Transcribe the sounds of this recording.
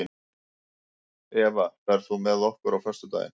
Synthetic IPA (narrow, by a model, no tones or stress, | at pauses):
ɪ | ɛːvapɛɾ̥θumɛðɔhkʏɾawfœr̥st̪ʏt̪a̰ːjɪ̰n